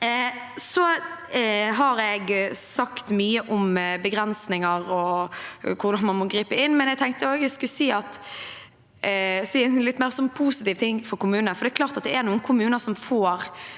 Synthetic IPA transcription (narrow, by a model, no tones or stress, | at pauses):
sɔ | ɦɑɾɛɡsɑkt̪myːəʔʊmbəɡɾɛnsnɪŋɑɾɔ | kʰʊʁd̪ɑnmɑnmɔɡɾiːpəɪnːmɛnjɛɡt̪ʰɛŋkt̪əoːɡɛskʉlsiːɑt̪ | siːɛnɪlɪt̪ːmæːɾsɔmpʰuːsɪt̪iːʋt̪ʰɪŋːfɔɾkʊmʉːnənəfɔɾd̪ɛːklɑːɾt̪ɑt̪̚d̪ɛɛɾnuːənkʰʊmʉːnəɾsɔmfoːɾ